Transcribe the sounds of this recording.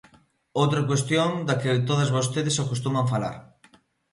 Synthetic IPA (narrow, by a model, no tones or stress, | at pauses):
owt̪ɾɐkwest̪joŋd̪ɐkɪt̪oðɐzβost̪eðɪsakust̪umɐɱfala̰ɾ